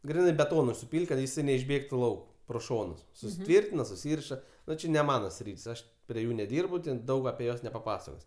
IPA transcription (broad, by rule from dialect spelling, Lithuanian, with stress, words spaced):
ˈɡrʲɪnɐɪ bʲɛˈtoːnʊɪ sʊˈpʲiːlʲtʲ kɐt jɪˈsɐɪ nʲɛɪʒʲˈbʲeːktʊ ˈlˠɐʊk proː ˈʃoːnʊs sʊsʲɪˈtʲʋʲɪrʲtʲɪnɐ sʊˈsʲiːrʲɪʃɐ ˈnʊ t͡ʃʲɪ nʲɛ ˈmɑːnɐ ˈsʲrʲiːtʲsʲ ˈɐʃ pʲrʲiɛ ˈjuː nʲɛˈdʲiːrbʊ tʲɛn ˈdɐʊk ɐpʲiɛ ˈjuɔs nʲɛpɐˈpɑːsɐkoːsʲ